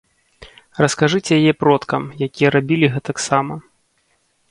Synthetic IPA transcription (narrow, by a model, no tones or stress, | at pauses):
rɐskaʐɨt͡sʲɛjajɛpɾɔt̪kɐmjakʲijɐɾabʲilʲiɣɛt̪ɐksamɐ